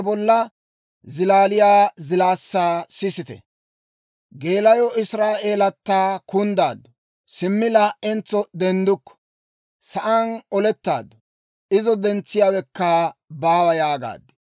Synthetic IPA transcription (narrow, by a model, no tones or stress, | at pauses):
bɔlːɐ | zɪlaːlɪjaːzɪlaːsːaːsɪsɪt̪ɛ̰ | ɡe̞ːlɐjɔɪsɾaːʔe̞ːlɐt̪ːaːkʊnd̪aːd̪ːɔ | sɪmːɪlɐɛnt͡sːɔd̪ɛnd̪ʊkːɔ̥ | sɐʔɐnɔlɛt̪ːa̰ːd̪ɔ | ɪzɔd̪ɛnt͡sːɪjaːwɛkːɐbaːwɐjaːɡa̰ːd̪ːɛ̥